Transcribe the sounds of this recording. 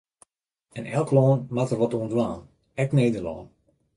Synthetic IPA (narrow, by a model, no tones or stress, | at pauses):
ɛnɛlˠklɔːnmatərʋɔtuəndəʋaːn | ɛkneːdərlɔ̰ːn